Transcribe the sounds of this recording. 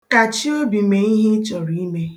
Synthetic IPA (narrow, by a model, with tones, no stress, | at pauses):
ka˨t͡ʃi˦o˦bi˨me˨i˦ɦi˦t͡ʃɔ˨ɾi˨˦i˦me˦